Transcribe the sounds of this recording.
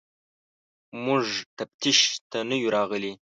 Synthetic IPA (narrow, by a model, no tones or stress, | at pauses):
muʐt̪ap̚t̪ʰiʃt̪ʰanəjuɾɑʁəli